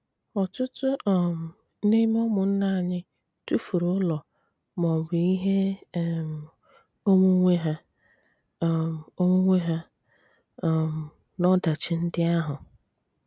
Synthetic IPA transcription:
ɔ˨tʊ˦tʊ˦ɔ˨m̩˨ | ne˦m˦ɔ˦mʊ˨n̩˦na˦a˨ɲɪ˦ | tu˦fu˨ɾʊ˦lɔ˨ | mɔ˨bʊ˨i˦ɦe˦˨m˨ | o˦mu˦ŋʷe˦ɦa˦˨ | m˨o˦mu˦ŋʷe˦ɦa˦˨ | m̩˨ | nɔ˦da˨t͡ʃɪ˨n̩˦dɪ˦a˦ɦʊ˨

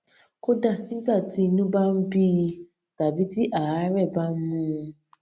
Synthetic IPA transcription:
ko˦da˦ni˦ba˦˨ti˨˦˨nũ˦ba˦m̩˦bi˦ | ɡ̥a˨bi˦di˦ʔa˨a˦ɾɛ˦˨ba˦m̩˦mũ˦

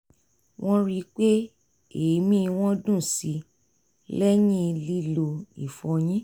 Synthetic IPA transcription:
w̃ʔɔ̃˦ɾi˦k͡pe˦ | e˨˦mĩ˦˧w̃ɔ̃˦dũ˦˨si˧˦ | lɛ˦jĩ˦˧li˦lo˧ḭ˨fɔ̃˨˧j̃ĩ˦

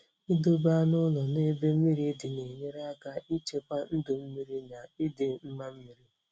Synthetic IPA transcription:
i˦do˦ba˦nʊ˦lɔ˨ne˦be˦m̩˦mi˦ɾi˦dɪ˨ne˨ɲe˦ɾa˦ka˦i˦t͡ʃe˦kʷa˦n̩˦dʊ˨m̩˦mi˦ɾi˦na˨i˦dɪ˨m̩˦ma˦m̩˦mi˦ɾi˦

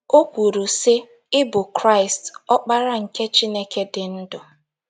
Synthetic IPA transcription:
o˦kʷu˨ɾu˨sɪ˦ | ɪ˦bʊ˨kɾa˦ɪ˨stɔ˦k͡pa˦ɾa˦ŋ̩˨ke˦t͡ʃi˦ne˦ke˦dɪ˨n̩˦dʊ˨

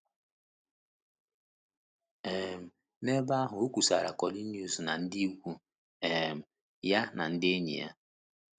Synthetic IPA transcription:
e˨m̩˨ | ne˦ba˦a˦ɦʊ˨o˦kʷu˨sa̰˨ɾa̰˨kɔ˨li˦nju˨zna˨n̩˦di˦kʷu˦ | ɛ˨m̩˨ | ja˦na˨n̩˦de˦ɲḭ˨ja̰˦

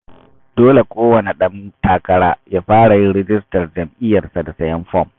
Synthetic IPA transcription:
doː˦le˨kʷʼoː˦wɐ˨ne˨ɗɐ˦ntaː˦kɐ˦ɽaː˦jaː˦ɸaː˦ɽa˨jɪ˦nɽɛ˦d͡ʒɪ˦stɐ˨rd͡ʒɐ˨mʔɪ˦jɐ˨rsa˨da˨sɐ˦jɐ˦mɸɔ˦˨m

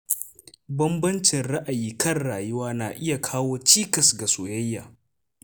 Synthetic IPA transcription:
bɐ˦mbɐ˦nt͡ʃɪ˨nɽɐ˦ʔa˨jiː˦kɐ˦˨rɽaː˨jʊ˦waː˦naː˨ʔɪ˦ja˨kʰaː˦woː˦t͡ʃiː˦kɐ˨sɡa˨soː˨jɐ˦jːa̰ː˨

